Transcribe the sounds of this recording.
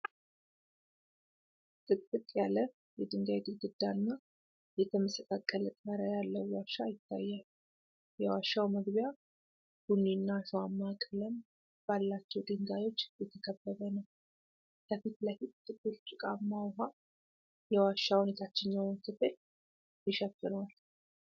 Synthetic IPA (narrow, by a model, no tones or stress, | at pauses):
t̪ʼɨkʼːɨt̪ʼjalə | jɛd̪ɨŋɡajt̪ʰʼɨɡɨd̪ːaɨnːa | jɛt̪ʰəməsək̪ʼakʼːələt̪ʼməɾəjalːəwwaʃːajɪt̪ʰːajːal | jɛwaʃːawməɡbja | hunːinːaʃuwamːakʼələm | b̥alːat͡ʃːɛwd̪ɨŋɡajo̞t͡ʃːjɛt̪ʰəkʰəbːəβənəw | kʰəfit̪lafit̪ːɨbuɾt͡ʃʼɨkʼamːawɦa | jɛwaʃːawune̞t̪ʰat͡ʃːɪnɲawnsɨfet̪ | jɪʃɛfːɨnal